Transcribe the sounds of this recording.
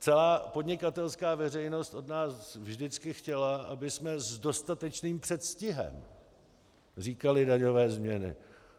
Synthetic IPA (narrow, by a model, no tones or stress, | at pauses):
t͡sɛlaːpo̞dɲɪkat̪ɛlskaːvɛr̝ɛjno̞st̪ʔo̞dnaːsvʒdɪt͡skɪxcɛlaʔabɪsmɛzdo̞st̪at̪ɛt͡ʃniːmpr̝̥ɛt̪scɪɦɛ̰m | r̝iːkalɪdaɲo̞vɛːzmɲɛnɪ̰